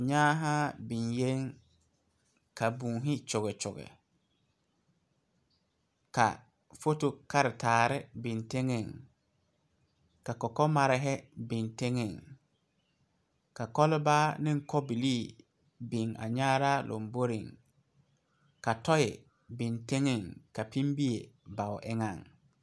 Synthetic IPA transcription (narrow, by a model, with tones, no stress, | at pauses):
ɲaː˦ɦa˦bɪ˨nje˦ŋ | ka˨buː˨ɦɪ˦t͡ʃʊ˨ɣɪ˨t͡ʃʊ˨ɣɪ̰˨ | ka̰˨ | fo˦to˦ka˦ɾɪ˨taː˨ɾɪ˦bɪ˨nte˦ŋɪ˨ŋ | ka˨kɔ˨kɔ˦ma˨ɾɪ˦ɦɛ˦bɪ˨nte˦ŋɪ˨ŋ | ka˨kɔ˦lɪ˦baː˦nɪ˦ŋ˦kɔ˦bi˨liː˦˨ | bɪ˨ŋa̰˨ɲaː˦ɾaː˦lʔo̰˨mbo˦ɾɪ̰˨ŋ | ka˨tɔ˦jɪ̰˨ | bɪ˨nte˦ŋɪ˦˨ŋka˨pi˦mbi˦e˨ba˨wʔɪ˦ŋa˦˨ŋ